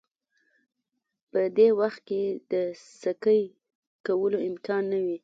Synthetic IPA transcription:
pəd̪ewaxt̪̚ked̪əsəkəj | kawəloɪmkɑnːawi

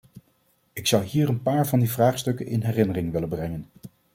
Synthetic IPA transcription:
ɪksɑwɦiːrənpaːɹvɑndivraːχstɵkənʔɪ̰nɦɛrɪnərɪŋʋɪlənbrɛŋən

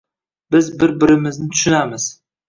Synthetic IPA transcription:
bɪzbɪɾbɪɾɪmɪznɪt̪ʰʊ̥ʃʊnamɪz̥

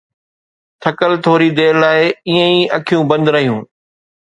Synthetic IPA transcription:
t̪ʰɐkəlt̪ʰoːɾid̪eːɾlːaːɪiːə̃iːɐkʰijũbɐ̃nd̪ɾɐɦijũː

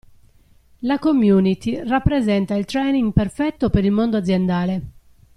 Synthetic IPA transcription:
lakomjuːnit̪irapːɾezɛnt̪ailt̪ɾɛjniŋɡperfɛt̪ːopeɾilmond̪oad̪zːjɛnd̪aːle

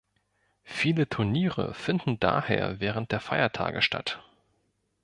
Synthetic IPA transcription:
fiːlətʰʊɐniːʁə̰fɪndn̩da̰ːhḛːɐvɛːʁ̞ənt̚d̥eːɐfaɪɐtʰa̰ːɡəʃtʰa̰t

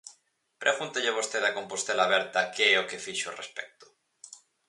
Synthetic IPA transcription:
pɾʔeɣunt̪eʎeβ̞ost̪eðako̞mpost̪elaβeɾt̪akeeokefiʃo̰respek̚t̪o̥

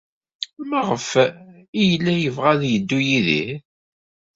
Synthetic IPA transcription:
məʁəfijəlːæjəvʁaðjəd̪ːujiðḭθ

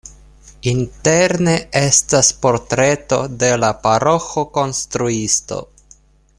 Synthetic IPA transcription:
inte̞ɾne̞e̞staspo̞ɾtɾe̞to̞de̞lapaɾo̞xo̞ko̞nst̪ɾuisto̞̰

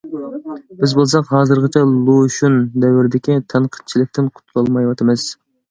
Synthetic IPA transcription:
b̥ɪzbolˠsɑqɦɑːzɨɾʁɨt͡ʃʰɛlˠoʃund̪ɛwɪɾɪd̪ɪkʲit̪ʰɛnqʰə̥t̪̚t͡ʃʰilɪk̚ʲt̪ʰɪnqʰʊ̥t̪ʰulˠɑlˠmɑjwɑt̪ʰɨmɨz̥

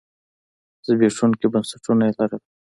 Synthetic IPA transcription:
z̥əbeʂunkebansḁʈunaelaɾəm

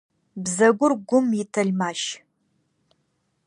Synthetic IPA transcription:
bzɐɡʷʊrɡʷʊmjɪtʰɐɮʲmaːʃ

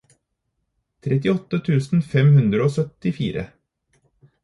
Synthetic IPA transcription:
t̪ʰɾɛt̪ɪɔt̪ːət̪ʰʉːsn̩fɛmhʉnd̪ɾəoːsœt̪ɪfiːɾə̰

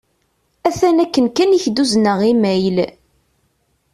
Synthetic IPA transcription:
æθænækːənkæniçd̪uznəʁimæjl

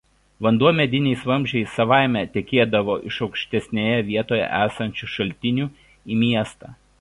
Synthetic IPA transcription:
ʋɐnd̪uɔmʲɛd̪ʲɪnʲɛɪsʋɐmʲʒʲɛɪsɐʋɑˑɪmʲɛt̪ʲɛkʲeːd̪ɐʋoːʔɪʃɒʊkʃʲt̪ʲɛsʲnʲejɛʋʲiɛt̪oːjɛ̰ʔæːsɐnʲt͡ʃʲuʃɐlʲt̪ʲɪnʲuː | iːmʲiɛst̪ɑ̰

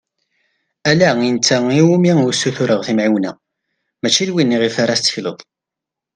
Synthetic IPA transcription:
ælæint͡sːæiwumisːuθuɾəʁθimʕiwnæ̰ | mæt͡ʃːilwinːiʁifaɾæst̪ːə̥çlə̰ðˤ

